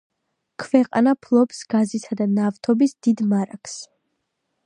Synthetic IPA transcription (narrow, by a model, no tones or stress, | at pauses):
kʰvɛqʼa̰napʰlˠɔpsɡ̥azisad̪anavt̪ʰɔbisd̪̥id̪maɾakʰs